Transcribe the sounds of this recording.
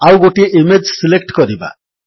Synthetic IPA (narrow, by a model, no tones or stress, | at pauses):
awɡoʈieʔimed͡ʒsilek̚ʈkɔɾiba̰